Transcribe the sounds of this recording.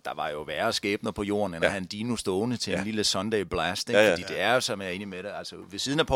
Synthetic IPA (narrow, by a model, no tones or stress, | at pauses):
d̥ɑ̈ʋɑ̈jo̝ʋæɐsɡ̥ɛːb̥nəðˠpʰɒ̽jo̝̰ːɐnelɐhænd̥iːnusd̥ɔːnət͡sʰe̝nliləsɒnd̥ɛɪb̥læsd̥e̥fɒd̥ḭːd̥e̝æɐjo̝sɒ̽mæɐe̝ːnimeɾe̝ælsəʋe̝siːð̞ˠnæpʰ